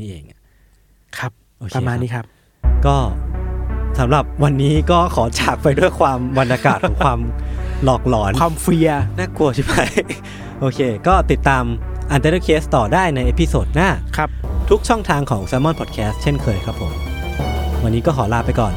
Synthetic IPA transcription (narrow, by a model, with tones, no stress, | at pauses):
niː˦˥˩ʔeː˧˩ŋ˧˩ | kʰa˦˥p̚ | ʔoː˧kpaː˧maː˧nni˦˥kʰa˦˥p̚ | kɔː˥˩ | sa˩˦mɾa˨˩p̚wa˧nːiː˦˥kɔː˥˩kʰɔː˩˦t͡ɕʰaː˨˩k̚pa˧jdu˥˩əjkʰwaː˧mba˧nʔa˧kaː˨˩t̪̚ɔː˩˦ŋkʰwaː˧mlɔː˨˩k̚lɔː˩˦nʰa˧mfi˧ɐnaː˥˩ku˧ɐ˧t͡ɕʰi˥˩ma˦˥˩j | ʔoː˧kʰeː˧kɔː˥˩t̪i˨˩t̪ːaː˧mʔa˧nt̪a˧ɾeː˥˩kʰeː˦˥st̪ɔː˨˩daː˥˩jna˧jʔe˦˥˩pʰi˧soː˨˩t̪̚naː˥˩kʰa˦˥pt̪ʰu˦˥k̚t͡ɕʰɔ˥˩ŋt̪ʰaː˧ŋkʰɔː˩˦ŋsaː˧mɔ˥˩npʰɔː˨˩t̪̚kʰɛː˦˥st̪̚t͡ɕʰe˥˩nkʰɤː˧jkʰɾa˦˥pʰːo˩˦m | wa˧nːiː˦˥kɔː˥˩kʰɔː˩˦laː˧pa˧jkɔː˨˩n